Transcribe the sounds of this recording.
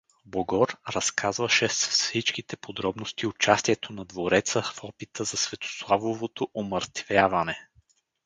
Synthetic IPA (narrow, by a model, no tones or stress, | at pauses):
boɡɔɾɾɐskʰazvɐʃɛsfsit͡ʃk̟it̪ɛpod̪ɾɔbnost̪iʊt͡ʃast̪iɛt̪ʰonɐd̪voɾɛt̪səfɔpit̪ʰəzɐsvɛt̪o̥slˠavovot̪oʔoməɾt̪vʲjavɐnɛ